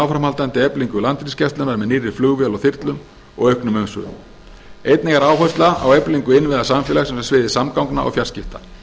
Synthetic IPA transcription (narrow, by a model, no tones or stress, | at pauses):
awfɾamhalt̪ant̪ɪɛpliŋkʏlant̪ɾiscɛst̪ʏnːaɾmɛðniːrːɪɾ̥flʏɣvjɛlɔwθɪɾt̪lʏm | ɔ̰ɣœɥhknʏmœŋsvʏ̰ːðʏ̰m | ejt̪nɪɣaɾaːwɦœst̪laa̰wɛpliŋkʏɪnːvɪðasamfɛlaxsɛmsɛsvɪːðɪsamkawŋkna̰ʔɔ̰ɣfjar̥scɪft̪a